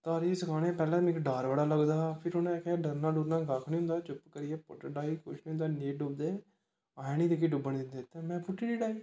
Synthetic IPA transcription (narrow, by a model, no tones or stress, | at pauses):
t̪aːɾiːsəkʰaːnẽːpɛːlẽːmɪkɖaːɾʋəɽaːləɡd̪aːpʰɪɾɦʊnɛkʰɛːɖəɾnãːɖuːɾnãːɡaːkʰnĩːɦʊ̃nd̪aːt͡ʃʊpkəɾɪjɛːpo̰ːʈəɖaːiːkʊ̰ʃmẽːnd̪aːneːɖʊb̚d̪eː | aːãnĩːd̪ek̬iːɖʊbəɳd̪ɪnd̪eːt̪ːẽːmɛ̃ːpʊʈːiːɾiːɖaːiː